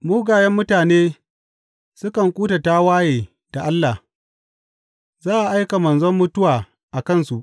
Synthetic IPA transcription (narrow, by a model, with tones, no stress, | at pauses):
muː˦ɡaː˨jɛ˦mːʊ˦taː˨neː˦ | sʊ˦kɐ˨ŋkʷʼuː˦ta˨taː˦waː˦jeː˨ | d̥a˨ʔa˦lːa˨ | zaː˦ʔa˨ʔa˦jka˨mɐ˨nzɔ˦mːʊ˦tʊ˦waː˨ | ʔa˨kɐ˦˨nsu˨ʔ